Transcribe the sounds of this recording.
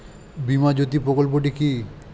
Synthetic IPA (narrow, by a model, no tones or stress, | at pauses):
bimad͡ʑot̪ipɾokolpoʈiki